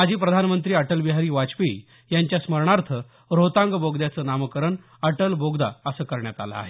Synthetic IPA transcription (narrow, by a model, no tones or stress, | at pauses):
mad͡ʑʱiːpɾəd̪ʱanmənt̪ɾiːəʈəlbiɦaɾiːʋat͡ɕpḭ | jaɲt͡ɕjasməɾɳaɾt̪ʰə | ɾot̪ãŋɡboɡd̪jat͡səːnamkəɾəɳ | əʈəlboɡd̪aəsəːkəɾɳjat̪a̰la̰ːɦe